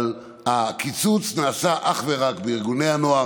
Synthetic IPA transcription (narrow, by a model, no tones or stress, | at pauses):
l | akit͡sut͡snaːsaʔaχveʁakbeiʁɡuneanoa